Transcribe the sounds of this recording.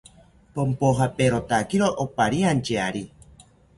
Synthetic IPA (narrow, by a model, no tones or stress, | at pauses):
pompoɦapeɾot̪akiɾoʔopaɾiant͡ʃeaɾi